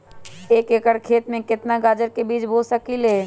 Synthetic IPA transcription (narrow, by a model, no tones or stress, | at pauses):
eːkeːkəɽkʰeːt̪mẽkɪt̪naɡaːd͡ʒəɾkebiːt͡ʃbʱoːsəkileː